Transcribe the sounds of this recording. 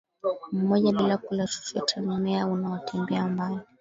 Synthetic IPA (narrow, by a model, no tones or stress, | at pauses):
m̩mɔʄaɓilakulasi̥siatʰammɛaunawatʰɛmbɛambali